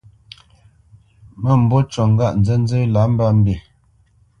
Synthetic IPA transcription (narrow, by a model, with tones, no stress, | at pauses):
mə˦˨m̩˨bo˦t͡ʃɔ˨ŋ̩˦ɡa˦˨ʔn̩˨d͡zə˦n̩˦d͡zə˦la˨˦m̩˦ba˦˨m̩˦be˨